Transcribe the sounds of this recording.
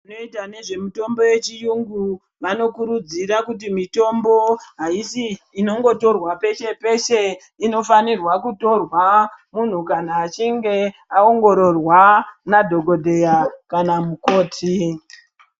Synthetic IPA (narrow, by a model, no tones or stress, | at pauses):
ano̞itane̞ʐe̞mito̞mbo̞je̞t͡ʃijuŋɡu | ʋano̞kuɾud͡ziɾakut̬imito̞mbo̞ɦaisiː | no̞ŋɡo̞to̞rwape̞ʃe̞pe̞ʃe̞ | ino̞fanirwakuto̞rwamun̤ukanaːt͡ʃiŋɡe̞ao̞ŋɡo̞ɾo̞rwanadʱo̞ɡo̞dʱe̞jakanamuko̞ːtʰi